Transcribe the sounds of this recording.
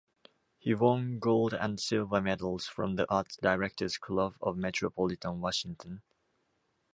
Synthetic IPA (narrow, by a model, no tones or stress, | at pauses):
hiwɔ̃nɡoʊlˠdə̰̃nsɪlˠvəmɛdl̩ˠz̥fɹɔ̃mðiʔɑˑtsd̥aɪɹɛk̚tʰəz̥kʰlʌvɔ̰vmɛtʰɹəpʰɔlɪtə̃nwɔʃɪ̃ŋtʰə̃n